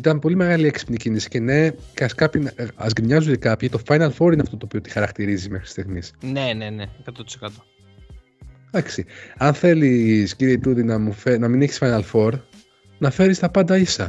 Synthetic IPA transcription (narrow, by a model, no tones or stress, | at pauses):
it̪ɐnpo̞lime̞ɣɐlieksi̥pnicinisi̥cene̞kɐskɐpinɐ̰zɡɾiɲɐzud̪ikɐpçit̪o̞fɐjnɐlfo̞ɾineɐft̪o̞t̪opiot̪i̥xɐɾɐkt̪iɾizizmexɾt̪ist̪iɣmisneneneekɐt̪ot̪i̥sekɐt̪o̥ | d̪ɐksiɐnθe̞lisciɾieipuðinɐmufenɐmineçi̥sfɐjnɐlfo̞ɾ | nɐfe̞ɾist̪ɐpɐnd̪ɐisɐ̰